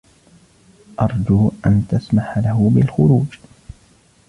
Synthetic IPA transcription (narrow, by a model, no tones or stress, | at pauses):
ʔɑɾˤd͡ʒuːʔant̪asmaħalaɦʊbɪlxʊɾuːd͡ʒ